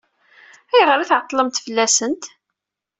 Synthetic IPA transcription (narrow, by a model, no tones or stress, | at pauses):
æjʁəɾæθʕəq̪ˤːləmt̪fəlːæsənt̪